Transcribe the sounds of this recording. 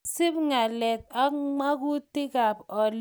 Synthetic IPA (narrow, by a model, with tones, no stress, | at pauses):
sɪ˦pŋa˨lɛ˨t̚a˦ŋa˦ku˦tɪ˦ka˨pɔ˨l